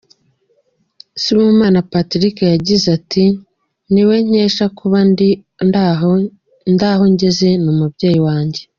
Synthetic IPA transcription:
simumaːnapatiɾikejaɟizatʰi | niwe̞ɲ̥eːʃakuβand | ndaːɦo̞ɲɟe̞ze̞numubɟe̞ːjiwaːɲɟe

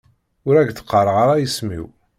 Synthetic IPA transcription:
ʊɾæɡθə̥qːəɾˤəʁaɾˤajismḭw

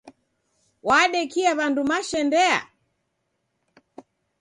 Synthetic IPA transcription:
waɗɛkiaβandumaʃɛndɛa̰

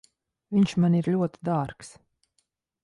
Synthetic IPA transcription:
viɲʃmaniɾlʲuɔt̪i̥d̪aːɾks

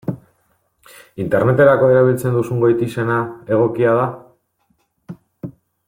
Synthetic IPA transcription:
int̪e̞ɾne̞t̪e̞ɾako̞e̞ɾaβ̞ilt͡se̞nd̪usuŋɡojt̪ise̞nae̞ɣ̞o̞kiað̞a

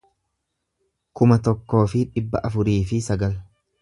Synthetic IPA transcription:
kʊmɐt̪ɔkːo̞ːfɪᶑɪbːɐʔɐfʊɾiːfɪsɐɡɐl

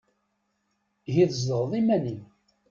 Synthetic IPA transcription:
ʝiðzd̪əɾˤðˤimænin

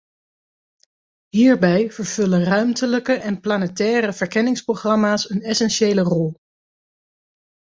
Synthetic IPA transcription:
ɦiːɹbɛjv̥əɹv̥ɵlənrœɥmtələkəʔɛnplanətɛːɾəvəɹkɛnɪŋsprowχrɑmaːsənɛsɛnʃejlərɔlˠ

